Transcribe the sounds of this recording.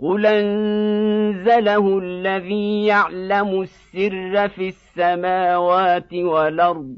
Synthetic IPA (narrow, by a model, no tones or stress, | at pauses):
qʊlʔan | zalahʊalːaðiːjaʕlamʊsːɪrːafisːamaːwaːt̪ɪwalʔɑɾˤd̪ˤ